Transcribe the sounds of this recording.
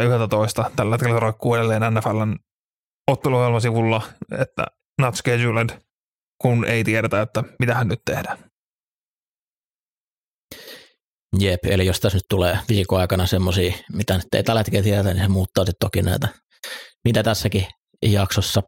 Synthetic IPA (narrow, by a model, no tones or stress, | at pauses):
yhelt̪æt̪oist̪ɑt̪ælːæet̪kelːæt̪roikːuːeɾelːeːnænːæfælːæn | ot̪ːeluohjelmɑsiʋulːɑet̪ːæ̰ | nɑt̪skezylend | kunḛit̪ieɾet̪æot̪ːæmit̪æhænnyt̪t̪ehdæ | jepḛlijost̪æsnyt̪t̪uleːʋiːkoɑˑikɑnɑsemːosiːmit̪ænyt̪ːḛˑit̪ɑlet̪keːt̪ieret̪æninsemuːt̪ːɑːsit̪t̪okinæ̰ˑit̪æ | mit̪æt̪æsːæki | jɑksosːɑ